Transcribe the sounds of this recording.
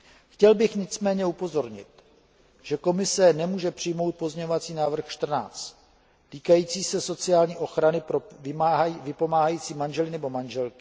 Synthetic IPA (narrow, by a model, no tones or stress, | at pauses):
xcɛlbɪxɲɪt͡smɛːɲɛupo̞zo̞ɾɲɪ̰t̪ | ʒ̥ɛko̞mɪsɛnɛmuːʒɛpr̝̥ɪjmo̞wt̪̚po̞zɲɛɲovat͡siːnaːvr̩xʃt̪r̩na̰ːt͡st̪ | t̪iːkajiːt͡siːsɛso̞t͡sɪaːlɲiːʔo̞xɾanɪpɾ | vɪpo̞maːɦajiːt͡siːmanʒɛlɪnɛbo̞manʒɛlkɪ̥